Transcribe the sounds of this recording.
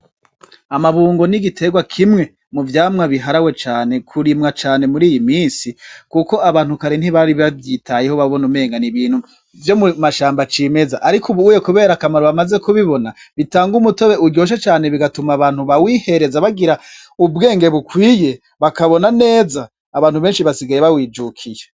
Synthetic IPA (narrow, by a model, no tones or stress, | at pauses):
amaβuːŋɡo̞niɡitʰe̞ɡwakʰimŋe̞ | muvjaːmŋaβiɦaɾawe̞t͡ʃaːne̞kʰuɾimŋat͡ʃaːne̞muɾiːjimiːnsikuko̞aβaːnhukaɾin̥hiβaɾiβavjitʰajehoβaβo̞nume̞ːŋɡaniβiːn̥hu | vjo̞mumaʃaːmbat͡ʃiːme̞zaʔaɾikʰuβujekuβe̞ːɾakamaɾoβamaze̞kuβiβo̞na | βitaːŋɡumuto̞βe̞uɟo̞ːʃ̬et͡ʃaːne̞βiɡatumaːβaːnhuβawihe̞ɾe̞zaβaɡiɾa | ubɡe̞ːŋɡe̞βukwiːje̞ | βakaβo̞nane̞ːzaː | βaːnhuβe̞ːnʃiβasiɡajeβawiːd͡ʒukʰije